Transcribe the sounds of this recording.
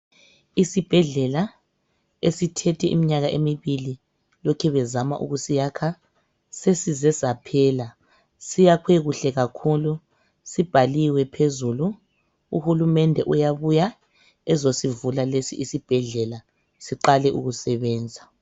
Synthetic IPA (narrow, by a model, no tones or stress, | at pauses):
isib̥ʱɛɮɛla | esitʰɛtʰɛḭmiɲaɣaʔemiβili | lɔkʰɛβɛzamaʔṵɣusijakʰa | sesizɛsapʰɛːla | sijakʰwɛɣuɬɛɣakʰulu | sib̥ʱaliwɛpʰezulu | ṵxulumɛndʱɛʔujaβuja | ɛzosivulalesiʔisib̥ʱɛɮɛla | siǃalɛʔṵɣusɛβɛːnd͡zʱa